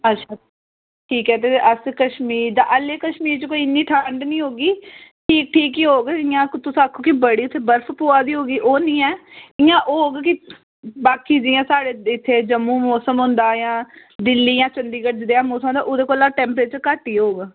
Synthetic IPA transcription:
ətːʃʰaː | ʈʰiːkɛːt̪̬eːʔəskəʃmiːɾd̪a̰ːʔəleːkəʃmiːɾt͡ʃkoːiːɪnːiːʈʰaːɳɖnĩːɦoːɡiːʈʰiːk̚ʈʰiːkiɦoːɡɪjãːkt̪ʊsaːkʰːõːkibəɽiːʊt̪ʰːeːbəɾpʰpoːaːd̪iːɦoːɡiːʔoːnĩːɛːɪjãːʔoːɡkɪ | baːkiːd͡ʒɪjãːsaːɽeːɪt̪ʰːeːd͡ʒəmːũːmɔːsəmɦʊ̃nd̪aːjãː | d̪ɪlːiːjãːt͡ʃənd̪iːkəʈd͡ʒd̪eːãːmoːsmaːd̪aːʔod̪eːkoːlaːʈɛ̃ːmpɾeːt͡ʃkaːʈiːɦoːɡ

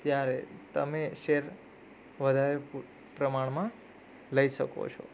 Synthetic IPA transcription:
t̪jaɾet̪əmeʃeɾ | ʋəd̪ʱaɾep | pɾəmaɳ̃mã | ləiʃəko̰t͡ʃʰo̰

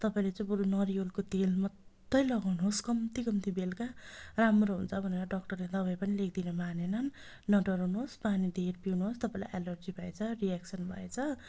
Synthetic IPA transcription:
t̪ʌpaĩlet͡sʌĩbuɾonʌɾijolkot̪elmʌd̪ːʌjlʌɡawnuɦoskʌmt̪iɡʌmt̪ibelkaramroɦunt͡sʰʌbʱʌneɾʌɖʌkʈʌrled̪ʌbajpʌnilek̚ʰd̪inʌmanenʌnː | ʌɖʌɾawnuɦospanid̪ʱeɾpiwnuɦost̪ʌpãĩla̰jʔalʌrd͡zibʱʌet͡sʰʌriaksʌnbʱʌet͡sʰʌ

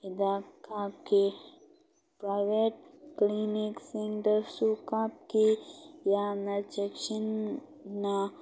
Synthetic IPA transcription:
id̪akʰapke | pɾajʋeʈ̚kliniksiŋɖəɾsukap̚kijanɐɾt͡ʃekt͡ʃin | na

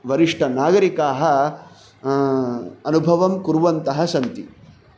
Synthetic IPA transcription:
ʋɐɾiʂʈʰɐnaːɡɐɾikaːɦɐ | ɐnubʱɐʋɐmkuɾʋɐnt̪ɐɦɐsɐnt̪i

